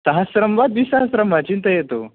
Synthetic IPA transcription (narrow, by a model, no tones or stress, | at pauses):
səɦasɾəmʋad̪̚ʋisaɦəsɾəmʋat͡ɕint̪əjet̪o